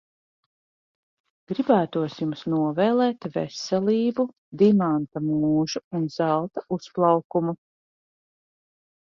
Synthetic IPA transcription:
ɡ̥ɾibæːt̪uɔsjumsnuɔvɛːlˠɛːt̪vɛ̰sɛliːbu | d̪imant̪amuːʒuunz̥alˠt̪ausplˠɑwkumu

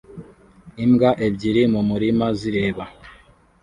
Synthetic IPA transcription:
imɡaʔebɟiɾimumuɾimaziɾeːβa

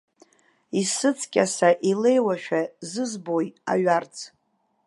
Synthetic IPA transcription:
isɨt͡sʰkʲʼasaʔile̞jwaʃᶣazɨzboja̰ɥart͡sʰ

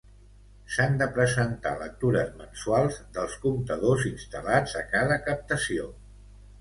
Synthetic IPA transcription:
sand̪əpɾəzənt̪a̰lək̚t̪uɾəzmənsualˠzðəlˠskumt̪əðozinst̪əlad͡zəkaðəkəp̚t̪əsio

